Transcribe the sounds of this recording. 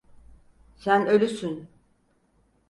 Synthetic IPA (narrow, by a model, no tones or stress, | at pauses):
sænø̞lʲysyn